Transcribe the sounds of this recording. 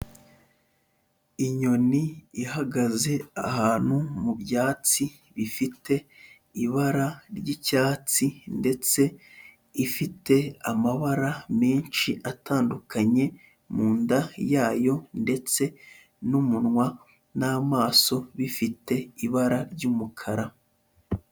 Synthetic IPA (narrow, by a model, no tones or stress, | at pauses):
iɲo̞niihaɡaze̞ahaːn̥humubjaːt͡si | βifitʰe̞ | iβaɾaɾɟicaːt͡sinde̞t͡se̞ | ifite̞amaβaɾameːnʃiʔatʰaːndukʰaɲe̞ | muːndajaːjo̞nde̞t͡se̞ | numunŋwa | naːmaːso̞βifite̞iβaɾaɾɟumukʰaɾa